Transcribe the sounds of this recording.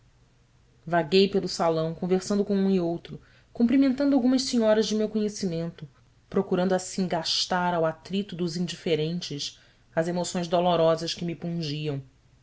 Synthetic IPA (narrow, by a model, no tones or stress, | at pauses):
vaɡejpelˠʊsalɐ̃w̃kõveɾsɐ̃nd̪ʊkõũiowt̪ɾʊ | kũmpɾimẽnt̪ɐ̃nd̪ʊawɡũmɐʃsiɲɔɾɐʒd͡ʒɪmewkoɲesimẽnt̪ʊ | pɾokuɾɐ̃nd̪ʊasĩɡaʃt̪aɾawat̪ɾit̪ʊd̪ʊzĩnd͡ʒifeɾẽnt͡ʃɪʃ | ɐzemosõj̃zd̪olɔɾɔzɐʃkɪmipũʒiɐ̃w̃